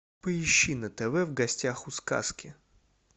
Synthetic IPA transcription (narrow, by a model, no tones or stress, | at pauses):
pəɪɕːinət̪ɛvɛvɡɐsʲtʲaxʊska̰skʲɪ